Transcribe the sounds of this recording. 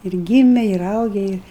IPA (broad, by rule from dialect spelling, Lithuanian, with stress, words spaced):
ɪr ˈɡʲiːmʲɛ ɪr ˈɐʊɡʲɛ ɪr